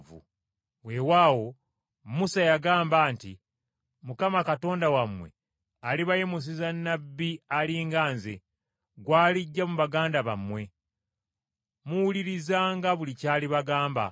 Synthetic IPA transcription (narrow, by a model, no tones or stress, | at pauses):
vṵ | we̞waːwo̞ | musajaɡaːmbaːntḭ | mukamakato̞ːndawamwe̞̰ | aliβajemus̬izanːabːialiːŋɡaːnze | ɡwaːliɟːamuβaɡaːndaβamwe̞ | muwuliɾizaːŋɡaβulicaːliβaɡaːmba̰